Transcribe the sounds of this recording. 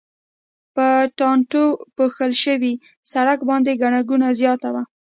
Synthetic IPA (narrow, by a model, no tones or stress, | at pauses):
pəʈɑɳʈopoxəlʃəwi | saɽakbɑnd̪eɡaɳaɡunazjɑt̪awa